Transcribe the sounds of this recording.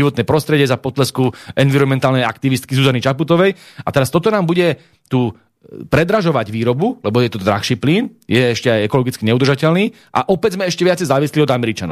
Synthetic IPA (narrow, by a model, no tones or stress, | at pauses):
iʋɔt̪nɛjpɾɔst̪ɾɛɟɛzapɔt̪lɛskuɛnʋiɾɔnmɛnt̪aːlnɛja̰kt̪iʋist̪kizuzanit͡ʃaput̪ɔʋɛjat̪ɛɾast̪ɔt̪ɔnaːmbuɟɛ | t̪uː | pɾɛd̪ɾaʒɔʋaɟʋiːɾɔbulɛbɔjɛt̪ɔd̪ɾa̰xʃiːpliːnjɛɛʃcɛajɛkɔlɔɡit͡skiɲɛud̪r̩ʒacɛlniː | ʔa̰ʔɔpɛzmɛɛʃcɛʋɪat͡sɛjzaːʋisliɔd̪amɛɾit͡ʃanɔ̰ʊ